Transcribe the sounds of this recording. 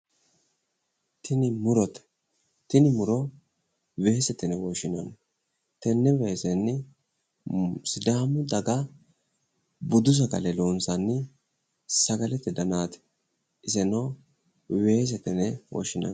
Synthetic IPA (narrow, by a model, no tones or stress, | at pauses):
t̪ɪnɪmʊɾɔt̪ɛ̥ | t̪ɪnɪmʊɾɔ | weːsɛt̪ːɛnɛwɔʃɪnɔn | t̪ɛnːɛweːsɛnːɪ | sɪd̪aːmʊd̪ɐɡɐ | bʊd̪ʊs̬ɐɡɐ̰lɛloːnsɐnːɪ | sɐɡɐlɛt̪ːɛd̪ɐnaːt̪ɛ̥ | ɪsɛno | we̞ːs̬ɛt̪ɛnɛwɔ̰ʃɪnɐ̰n